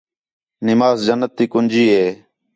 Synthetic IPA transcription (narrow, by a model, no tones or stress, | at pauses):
nɪmaːzd͡ʒənːət̪ːiːkʊnd͡ʒiːɦeː